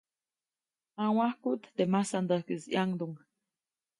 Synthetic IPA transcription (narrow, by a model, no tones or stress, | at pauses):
ãw̃ahkuʔt̪d̪emasand̪əhkizjaŋd̪uŋ